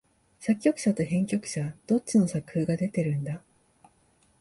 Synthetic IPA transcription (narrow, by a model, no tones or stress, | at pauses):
sakʲːo̞kɯ̟̥ɕat̪o̞ɦẽ̞ŋkʲo̞kɯ̟̥ɕad̪̥o̞t͡ɕino̞sakɯ̥hɯːɡad̪e̞t̪e̞ɾɯ̟̃nd̪a